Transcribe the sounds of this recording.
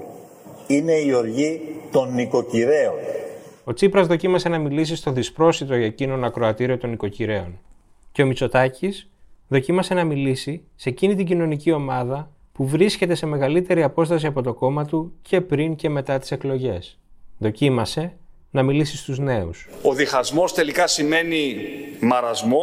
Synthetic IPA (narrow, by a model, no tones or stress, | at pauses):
ine̞io̞ɾʝit̪o̞nːiko̞ciɾe̞ono̞t͡sipɾɐzðo̞cimɐse̞nɐmilisist̪o̞ðispɾo̞sit̪oɐcino̞nɐkɾo̞ɐt̪iɾio̞t̪o̞niko̞ciɾe̞o̞̰n | ce̞o̞mit͡so̞t̪ɐcis | ðo̞cimɐse̞nɐmilisi | se̞cinit̪̬iɟino̞nicio̞mɐðɐ | puvɾisce̞t̪e̞se̞me̞ɣɐlit̪e̞ɾiɐpo̞st̪ɐs̬iɐpo̞t̪o̞ko̞mɐt̪ucʰe̞pɾiŋce̞me̞t̪ɐt̪i̥se̞klo̞ʝe̞s | ðo̞cimɐse̞ | nɐmilisist̪uzne̞ṵsoðixɐzmo̞st̪e̞likɐsime̞nimɐɾɐzmo